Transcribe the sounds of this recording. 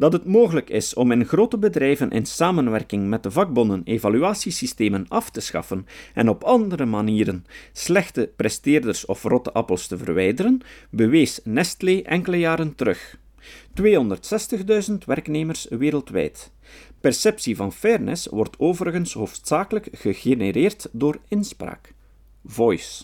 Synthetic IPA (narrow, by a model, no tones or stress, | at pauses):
d̥ɑtɦətmoːɣələkɪsɔmɪnɣroːtəbədrɛjvənʔɪ̰nsaːmənʋɛrkɪŋmɛt̚dəvɑɡ̚bɔnəneːvalyaːsisisteːmənɑftəsxɑ̰fənɛnɔpɑndəɾəmaniːɾənslɛxtəprɛsteːrdərsɔ̰frɔtəʔɑpəlˠstəvə̰rʋɛjdəɾənbəʋeːsnɛstleːʔɛŋkələjaːɾəntəɾɵx | tweːɦɔndərtsɛstəɣdœɥzəntʋɛrkneːmərsʋeːɾəlˠtʋɛ̰jt | pɛrsɛpsivɑnfɛrnɛ̰swɔrtʰoːvəɾəɣənsɦoːftsaːkələkɣəɣeneɾeːrtdoːrɪnspɾa̰ːk | vɔjs